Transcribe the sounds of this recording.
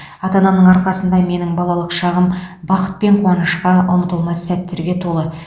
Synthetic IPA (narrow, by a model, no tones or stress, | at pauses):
ɑt̪ɑnɑnəɴɑɾqɑsənd̪ɑme̞nɪŋbɑlˠɑlˠəqʃɑʁəmbɑqə̥t̪̚pe̞ɴqʰwɑnəʃqɑʔʊmət̪əlˠmɑsæt̪ːe̞ɾɡʲe̞t̪ʰo̞lˠə